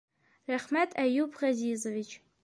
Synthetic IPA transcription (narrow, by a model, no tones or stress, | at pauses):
raχmatʼajupʰʁazizovit͡ʃʰʼ